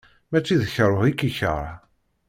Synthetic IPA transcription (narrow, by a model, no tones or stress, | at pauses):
mæt͡sːiðəçəɾˤoikːiçə̰ɾ̰ˤ